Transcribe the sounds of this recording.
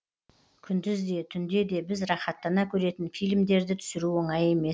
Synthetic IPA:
kʲʰʏnd̪ɪzd̪e̞t̪ʰʏnd̪e̞d̪e̞bɪzrɑχɑt̪ːɑnɑkʲʰɵɾe̞t̪ɪnfijlʲmd̪e̞ɾd̪ɪt̪ʰʏ̥sɪɾuwoɴɑje̞me̞s

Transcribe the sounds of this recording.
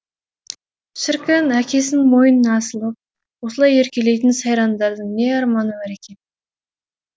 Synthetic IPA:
ʃɪɾkʲɪnækʲʰe̞sɪnmo̞jənənːsəlˠəp̚ | wosəlˠɑje̞ɾkʲe̞le̞jt̪ɪnsɑjɾɑnd̪ɑɾd̪əɴne̞ɑɾmɑnəbɑɾe̞kʲʰe̞n

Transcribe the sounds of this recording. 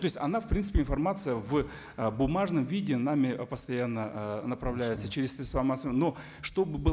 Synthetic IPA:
t̪o̞ɪsʲɐnafpɾʲint̪sɨ̥pʲɪnfɐrmat̪sɨjəv | bʊmaʐnəmvʲidʲɪnamʲɪpəst̪ɐjanːənəpɾɐvlʲæjɪt̪sət͡ɕeɾʲɪsːʲɾʲet̪st̪vamasno̞ | ʂt̪o̞bɨbɨ

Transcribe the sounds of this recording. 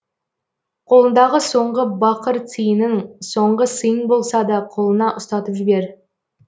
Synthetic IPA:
qʰo̞lˠənd̪ɑʁəso̞ɴʁəbɑqəɾt̪ijənɪŋso̞ɴʁəsɨjəŋbo̞lˠsɑd̪ɑqʰo̞lˠənɑʔʊst̪ɑt̪əpʒɪbe̞ɾ

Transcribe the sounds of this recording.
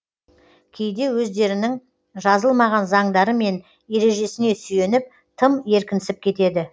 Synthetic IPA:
kʲʰe̞jd̪e̞wɵzd̪e̞ɾɪnɪŋ | ʒɑzəlˠmɑʁɑnzɑŋd̪ɑɾəme̞n | e̞ɾe̞ʒe̞sɪne̞sʏje̞nɪp̚ | t̪ʰəmje̞ɾkʲɪnɪsɪp̚kʲʰe̞t̪e̞d̪ɪ

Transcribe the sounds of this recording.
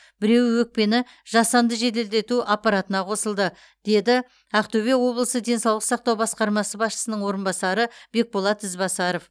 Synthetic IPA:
b̥ɪɾe̞wwɵk̚pe̞nɪ | ʒ̥ɑsɑnd̪əʒe̞t̪e̞ld̪e̞t̪uʔapːɑɾɑt̪ənɑqʰo̞səlˠd̪ə | d̪̥e̞d̪ɪ | æqt̪oβe̞wo̞blˠəsəd̪e̞nsɑwlˠəqsɑqt̪ɑwbɑsqɑɾmɑsəbɑsʃə̥sənəɴwo̞ɾənbɑsɑɾəbe̞k̚bolˠɑt̪ɪzbɑsɑɾo̞f

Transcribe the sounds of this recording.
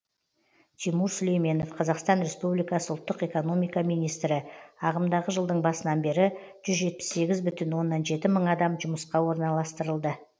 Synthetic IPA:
t̪ʰimuɾsʏle̞jme̞no̞fqʰɑzɑqst̪ɑnɾe̞spublijkɑsəʊlˠt̪ːəqe̞ko̞no̞mijkɑmijnijst̪ɾɪɑʁəmd̪ɑʁəʒəlˠd̪əɴbɑsənɑnbe̞ɾɪ | ʒ̥ʏzʒe̞t̪̚pɪ̥sːe̞ɡʲɪzbʏt̪ɪnwo̞nːɑnʒe̞t̪ɪməɴɑd̪ɑmʒʊməsqɑwo̞ɾnɑlˠɑst̪əɾəlˠd̪ə

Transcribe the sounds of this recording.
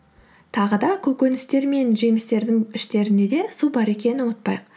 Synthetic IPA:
t̪ʰɑʁəd̪ɑkʲʰɵkʲenɪst̪e̞ɾme̞nʒemɪst̪e̞ɾd̪ɪŋɪʃt̪e̞ɾɪnd̪e̞d̪e̞subɑɾe̞kʲe̞nɪnət̪̚pɑjq

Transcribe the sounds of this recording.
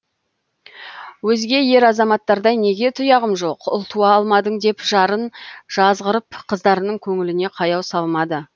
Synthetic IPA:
wɵzɡʲe̞je̞ɾɑzɑmɑt̪ːɑɾd̪ɑjne̞ɡʲe̞t̪ʰʊjɑʁəmʒo̞qʊ̰lˠt̪uɑːlˠmɑd̪əɴd̪e̞pʒ̥ɑɾənʒ̥ɑzʁəɾəpqʰəzd̪ɑɾənəɴkʲʰɵŋɪlɪne̞qʰɑjɑwsɑlˠmɑd̪ə

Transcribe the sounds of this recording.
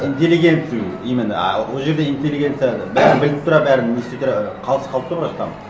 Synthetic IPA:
int̪ʲe̞lːiɡʲe̞nt̪sijimɪn̰wolˠʒe̞ɾd̪e̞int̪ʲelʲːiɡʲe̞nt̪sijabæɾɪnbɪlɪp̚t̪ʰʊɾɑbæɾɪnːest̪et̪ʰʊɾɑqʰɑlˠəsqʰɑlˠp̚t̪oqʰɾɑst̪ɑmə

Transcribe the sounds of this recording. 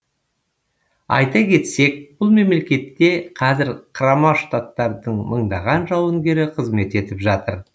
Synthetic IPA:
ɑ̰jt̪ɑkʲʰe̞t̪se̞k̚b̥ʊlˠme̞mle̞kʲe̞t̪ːʲe̞qʰɑzɪɾqʰəɾɑmɑʃt̪at̪ːɑɾd̪əɴməɴd̪ɑʁɑnʒɑwəŋɡʲe̞ɾɪqʰəzme̞t̪e̞t̪ɪpʒɑt̪əɾ

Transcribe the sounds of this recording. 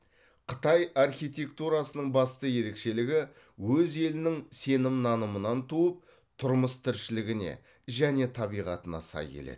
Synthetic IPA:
qʰə̥t̪ɑjɑrχʲijt̪ʲe̞k̚t̪uɾɑsənəɴbɑst̪əje̞ɾe̞kʃe̞lɪɡʲɪ | wɵze̞lɪnɪŋse̞nɪmnɑnəmənɑnt̪uəp̚ | t̪ʰʊɾməst̪ʰɪɾʃɪlɪɡʲɪnḛ | ʒæne̞t̪ʰɑβijʁɑt̪ənɑ̰sɑ̰jkʲʰḛlḛd̪

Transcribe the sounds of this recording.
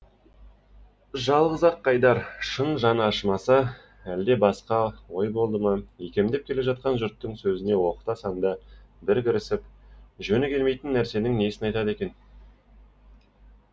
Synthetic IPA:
ʒɑlˠʁəzɑqʰːɑjd̪ɑɾʃənʒɑnəɑʃəmɑsə | æld̪e̞bɑsqɑwo̞jbo̞lˠd̪əmɑjekʲe̞md̪e̞p̚kʲʰe̞le̞ʒɑt̪̚qɑnʒʏɾt̪ːəŋsɵzɪne̞wo̞qə̥t̪ɑsɑnd̪ɑbɪɾkʲɪɾɪsɪpʒɵnɪkʲʰe̞lme̞jt̪ɪnːæɾse̞nɪŋnesɪnɑjt̪ɑd̪e̞kʲe̞n

